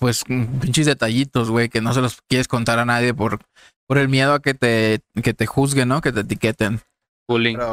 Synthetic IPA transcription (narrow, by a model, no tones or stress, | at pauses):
pwe̞spint͡ʃizðe̞t̪aʝit̪o̞zɣwe̞jke̞no̞s̬e̞lo̞skje̞ɾeskont̪aɾanað̞je̞po̞ɾ | po̞ɾe̞lmje̞ð̞o̞ake̞t̪e̞ke̞t̪e̞xuzɣe̞nːo̞ke̞t̪e̞t̪ike̞t̪e̞n | uliɾo